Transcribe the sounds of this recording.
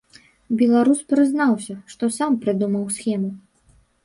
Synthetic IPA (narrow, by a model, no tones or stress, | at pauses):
bʲɛlˠaɾuspɾɨznawsʲɐʂt̪ɔsampɾɨd̪umɐwsxʲɛmu